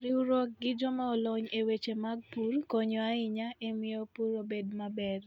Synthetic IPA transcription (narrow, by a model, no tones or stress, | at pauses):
ɾiuɾok̚ɡɪd͡ʒɔmaɔlɔɲewet͡ʃemaɡ̚purkɔɲɔaɪɲaemɪopuɾobedmabɛr